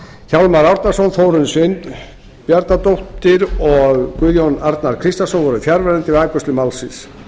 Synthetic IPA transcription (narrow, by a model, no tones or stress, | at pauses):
çawlmaɾawɾt̪nḁsɔnθowɾʏnsɪn | pjaɾt̪nat̪owht̪ɪɾɔɣkʏðjonaɾt̪naɾ̥kʰɾɪst̪asɔnvɔɾʏfjaɾvɛɾɛnt̪ɪvaːkʏst̪lɪmalsɪs